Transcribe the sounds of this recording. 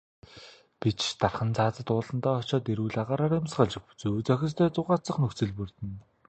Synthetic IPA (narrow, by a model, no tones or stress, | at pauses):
pit͡ɕt̪arχə̆nt͡sʰaːt͡sə̆t̪ʊːɮə̆nt̪aːɔt͡ɕɔːt̪eɾuːɮaʁaːɾaːɾɪmsɢaɮt͡ɕɪ̆xpu̥t͡suːt͡sœxʲɪ̆st̪ʰœːt͡sʊʁaːt͡sə̆χnɵxt͡sɘ̆ɮpɵrt̪ɘ̆n